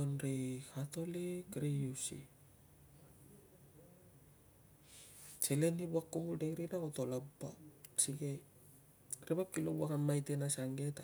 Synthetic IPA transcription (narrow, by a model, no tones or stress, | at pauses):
onɾekʰato̞likɾejusḭ | t͡ʃele̞nibuakːubudeɡɾinakotolabbasiɡe | ɾebapkilobuakamːajtenasaŋɡe̞ta